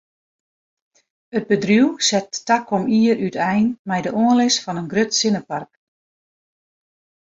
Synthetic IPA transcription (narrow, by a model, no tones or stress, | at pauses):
əd̚bədrjuwsɛtːakɔmiəɾytɛjnmɛjdəʔoənlɪsfɔnənɡrøtsɪnəpark